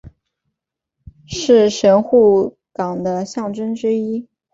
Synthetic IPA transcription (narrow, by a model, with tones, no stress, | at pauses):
ʂɻ̩˥˩ʂə˧˥nxu˥˩ | kɑ˨˩ŋd̪ə˦ɕjɑ˥˩ŋʈ͡ʂə˥nʈ͡ʂɻ̩˥i˥